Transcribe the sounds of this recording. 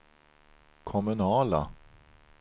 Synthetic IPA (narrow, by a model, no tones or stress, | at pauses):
kʰɔmɵnɑːla̰